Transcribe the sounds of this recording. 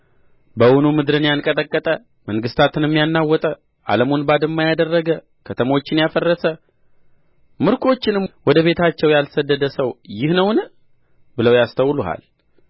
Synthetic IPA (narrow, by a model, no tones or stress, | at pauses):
bəwunumɨd̪ɾɨnjankʼət̪ʼəkʼːət̪ʼə | məŋɡɨst̪ʰat̪ɨnɨmːijanːawːɔt̪ʼə | ʔa̰ləmonbad̪ɨmːajad̪ərːəɡə | kʰət̪ʰəmo̞t͡ʃːɪnjafərːəsə | mɨɾkʼo̞t͡ʃːɪnɨmwɔd̪əβe̞t̪ʰat͡ʃːɛwjalsəd̪ːəd̪əsəwjɪhnəwnə | bɨləwjast̪ʰəwːluɦa̰l